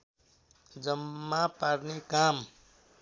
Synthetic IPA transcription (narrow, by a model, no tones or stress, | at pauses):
d͡zʌmːapaɾnekam